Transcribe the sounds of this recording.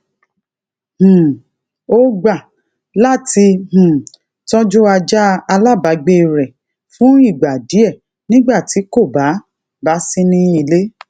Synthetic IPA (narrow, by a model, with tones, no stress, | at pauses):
hũ˨ | o˦ɡ͡ba˦˨ | la˦ti˧hũ˨ | tɔ˦d͡ʒu˦a˧d͡ʒa˦a˧la˦˨ba˨˦ɡ͡be˦˨ɾɛ˨ | fũ˨˦i˦˨ɡ͡ba˨di˨˦ɛ˦˨ | nĩ˦ɡ͡ba˦˨ti˨˦ko˦˨ba˨˦ | ba˦sĩ˦nĩ˦i˧le˦